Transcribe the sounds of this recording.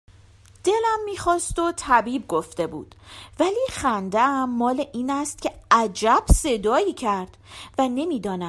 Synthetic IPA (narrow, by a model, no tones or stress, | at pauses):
d̪̥e̞læmːiːxɒːst̪o̞t̪ʰæbiːb̚ɡo̞ft̪e̞bṵːd̪̥væliːχænd̪eæmːɒːle̞ʔiːnæst̪̚cʰe̞æd͡ʒæb̥se̞d̪ɒːiːcʰæɾd̪̥væne̞miːd̪ɒːnæ